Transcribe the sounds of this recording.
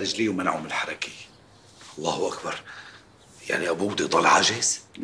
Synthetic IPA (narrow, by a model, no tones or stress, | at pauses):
ɾɪʒliːwmanaʕʊmɪlħɑɾˤɑkɪj | ʔɑlˤːɑːhʔakbɑɾˤ | ja̰ʕniʔabuːd̪it̪ˤɑlʕaʒɪz̥